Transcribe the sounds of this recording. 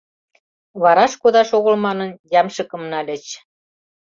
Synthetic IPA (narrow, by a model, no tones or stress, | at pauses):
βɑɾɑʃkod̪ɑʃoɣɤ̆lmɑnɤ̆njɑmʃɤ̆kɤ̆mnɑlʲĕt͡ɕ